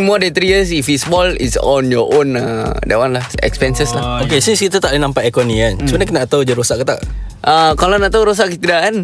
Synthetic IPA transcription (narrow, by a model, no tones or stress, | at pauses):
mɔdɛnt̪ɾiəsifisbɔlḭsɔ̰njɔʔõnadɛwanlahɛ̰kspɛnsəslahokesiskit̪at̪aʔlinampaekoniant͡ʃumanaknaʔt̪awud͡ʒəɾosaʔkət̪a̰ʔʔəkalonat̪awɾos̬aʔkət̪idakan